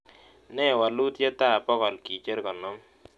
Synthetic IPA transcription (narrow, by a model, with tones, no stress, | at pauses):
nɛ˦˨wa˨lu˦tje˦ta˦˨pɔ˦kɔ˨lki˨t͡ʃe˦ɾkɔ˨nɔ˦m